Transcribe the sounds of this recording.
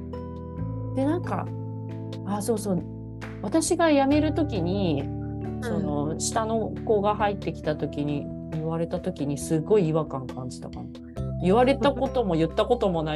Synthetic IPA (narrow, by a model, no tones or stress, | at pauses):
d̪̥e̞nãŋka̰ | aso̞ːso̞ː | βat̪aɕiɡajame̞ɾɯ̟t̪o̞kʲiɲ̟i | so̞no̞ɕi̥t̪ano̞ko̞ɡaɦait̪ːe̞kʲi̥t̪at̪o̞kʲiɲ̟i | iβaɾe̞t̪at̪o̞kʲiɲ̟isɨɡːo̞iːβakãŋkãɲ̟d͡ʑi̥t̪akana | iβaɾe̞t̪akko̞t̪o̞mo̞jɯ̟t̪ːako̞t̪o̞mo̞na